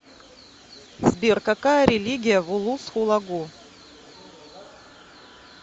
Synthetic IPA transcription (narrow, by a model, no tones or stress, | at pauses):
zbʲirkakajəɾʲɪlʲiɡʲijəvulˠusxulˠaɡu